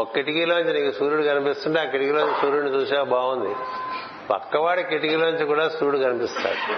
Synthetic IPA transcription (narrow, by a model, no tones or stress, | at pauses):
okːeʈikiːloːniɲt͡ʃiniːkisuːɾuɽukɐnipist̪uɳʈeaːkeʈikiːloːnɲt͡ʃisuːɾuɽnit͡ʃuːsaːbaːɡund̪i | pɐ̰kːɐʋaːɽikeʈikiːloːniɲt͡ʃikuːɽaːsuːɽukɐnipist̪a̰ːɽu